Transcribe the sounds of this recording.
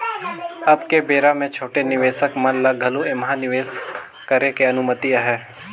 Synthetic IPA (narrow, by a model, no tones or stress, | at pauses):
ɐbkebeːɾamẽt͡ʃʰoːʈenɪʋeːsəkmɐnlaɡʱɐluemɐɦanɪʋeːs | kəɾekeɐnʊmət̪iɐɦɛː